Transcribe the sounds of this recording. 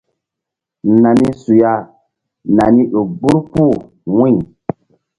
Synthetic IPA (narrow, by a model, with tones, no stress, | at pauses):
na˨ni˦su˨ja˦ | na˨ni˦ɗo˨bu˦ɾpu˦˨ | wĩ˦˨